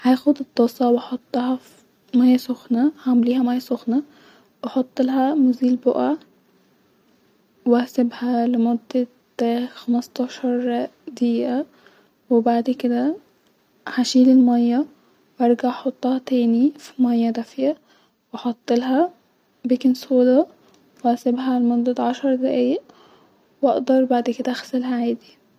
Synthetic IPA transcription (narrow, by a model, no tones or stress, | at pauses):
hajxʊd̪ɪd̪ˤːɑsˤɑwɪħɑt̪ˤːɑhɑ | mɑjːasʊxnahamliːhamɑjːasʊxna | wɪħɑt̪ˤːɨlɦamʊziːlbʊʔa | wasɪbhalɪmʊd̪ːa | t̪ːaːxamst̪ɑʃɑɾˤd̪iːʔa | wɪbaʕd̪kɪd̪æ | ħaʃiːlɪlmɑjːæ | wʔɑɾˤɡaʕħot̪ˤːɑhɑt̪æːnifi̥mɑjːæd̪æfjæ | wɑħɑt̪ˤːelɦæ | bikɪnsoːlɑ | wæsebɦælemʊd̪ˤːɑʕɑʃɑɾˤd̪æʔiːʔ | wʔɑ̰ʔd̪ɑɾˤbaʕd̪ked̪æʔæxsælɦæʕaːd̪i